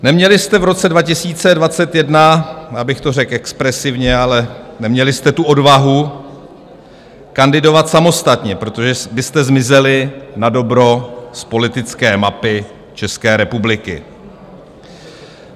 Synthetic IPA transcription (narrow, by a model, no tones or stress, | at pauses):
nɛmɲɛlɪst̪ɛvɾo̞t͡sɛdvacɪsiːt͡sɛdvat͡sɛt̪jɛdnajaːbɪxt̪orɛkʔɛkspɾɛsɪvɲɛalɛnɛmɲɛlɪst̪ɛt̪uʔo̞dvaɦu | kandɪdo̞vat̪samo̞st̪at̪ɲɛpɾot̪o̞ʒɛbɪst̪ɛzmɪzɛlɪnado̞bɾo̞spo̞lɪt̪ɪt͡skɛːmapɪ | t͡ʃɛskɛːɾɛpublɪkɪ̰